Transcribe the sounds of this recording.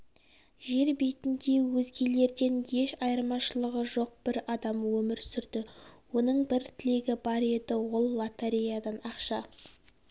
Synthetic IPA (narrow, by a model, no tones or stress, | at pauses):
ʒe̞ɾbe̞jt̪ɪnd̪e̞wɵzɡʲe̞le̞ɾd̪e̞nje̞ʃɑjəɾmɑʃəlˠəʁəʒo̞q̚b̥ɪɾɑd̪ɑmwɵmɪɾsʏɾd̪ɪwo̞nəɴbɪɾt̪ʰɪle̞ɡʲɪbɑɾe̞d̪ɪwo̞lˠːat̪aɾejad̪ɑnɑqʃɑ